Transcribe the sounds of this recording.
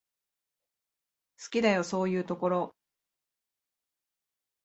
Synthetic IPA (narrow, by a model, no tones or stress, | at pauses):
sɨ̥kʲid̪ajo̞so̞ːjɯ̟ːt̪o̞ko̞ɾo̞